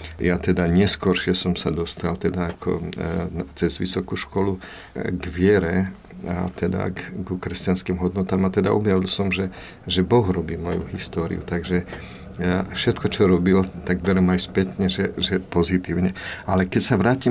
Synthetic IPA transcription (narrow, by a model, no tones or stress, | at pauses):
jat̪ɛd̪aɲɛskɔɾʃɪɛsɔmsad̪ɔst̪alt̪ɛd̪aːkʰɔ̰nt͡sɛzʋḭsɔkuʃkɔlu | ɡʋɪɛɾɛ | a̰t̪ɛd̪a̰ɡukɾɛscanskiːmɦɔd̪nɔt̪aːmat̪ɛd̪aʔɔbjaʋilsɔmʒɛ | ʒɛbɔɣɾɔbiːmɔjṵɦist̪ɔːɾḭjṵt̪aɡʒɛ | fʃɛt̪kɔt͡ʃɔɾɔbilt̪aɡbɛɾɛmajspɛt̪ɲɛʒɛʒɛpɔzit̪iːʊɲɛalɛkɛcsaʋɾaːci